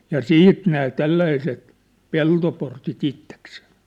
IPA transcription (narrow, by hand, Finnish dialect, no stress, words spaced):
jɑ siːt næː tælːæiset peltoportit itːekseː